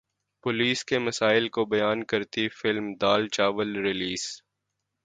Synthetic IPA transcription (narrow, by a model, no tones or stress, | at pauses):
pʊliːskemɐsaːɪlkobɐjaːnkɐɾt̪ifɪlmd̪aːlt͡ʃaːʋəlɾɪliːs